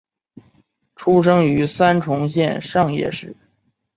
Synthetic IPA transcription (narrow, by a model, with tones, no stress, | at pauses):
ʈ͡ʂʰu˥ʂɤ˥ŋy˧˥sa˥nʈ͡ʂʰʊ˧˥ŋɕjɛ˥˧nʂɑ˥˧ŋjɛ̰˥˧ʂɻ̩˥˩